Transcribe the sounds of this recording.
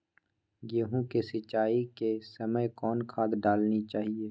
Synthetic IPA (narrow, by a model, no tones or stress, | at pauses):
jeːɦũkesɪt͡ʃːaːikesɐməjkɔːnkʰaːd̪ɖaːlnit͡ʃaːɦieː